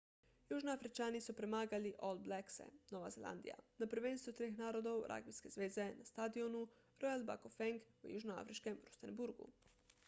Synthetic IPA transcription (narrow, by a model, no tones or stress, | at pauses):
juːʒnoafɾit͡ʃaːnisupɾemaːɡaliʔolbleksḛnoʋazela̰nd̪ḭja̰napəɾʋeːnst̪ʋut̪ɾexnaːɾod̪owɾʔa̰ːɡbiskezʋeːzenast̪aːd̪ionu | ɾojalba̰kofɛŋkṵjṵːʒnoa̰fɾiʃkemɾust̪enbuɾɡṵ